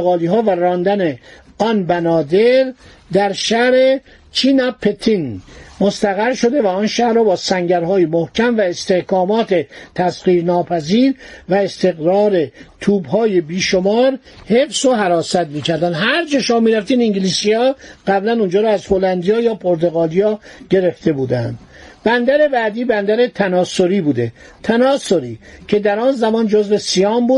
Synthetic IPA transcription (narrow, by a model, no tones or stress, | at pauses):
eɣɒːliːɦɒːværɒːnd̪æne | ɒːnbænɒːd̪eɾ | d̪æɾʃæhɾe | t͡ʃʰiːnæpʰet̪ʰinmost̪æɣæɾʃo̞d̪e̞væɔnʃæhɾɔːbɒːsæŋɟæɾɦɒːjemohcʰæmvæest̪e̞hkɒːmɒːt̪ʰe̞t̪ʰæsɢiːɾnɒːpʰæziːɾvæest̪e̞ɣɾɒːɾe̞t̪ʰuːbhɒːjebiːʃomɒːɾ | he̞fsoɦæɾɒːsæt̪miːcʰæɾd̪ænd̪ɦæɾd͡ʒeʃomːmiːɾæft̪iːniŋɟiliːsiɒːɢæblænund͡ʒɒːɾɔːæzholænd̪ijɒːjɒːpʰoɾt̪oɣɑːlijɒːɟ̥e̞ɾe̞ft̪ʰe̞buːd̪ænd̪̥ | b̥ænd̪æɾe̞bæːd̪iːbænd̪æɾet̪ʰænɒːsoɾiːbuːd̪e̞ | t̪ʰænɒːsoɾiːcʰe̞d̪æɾɒːnzæmɒːnd͡ʒozve̞sijɒːmbuː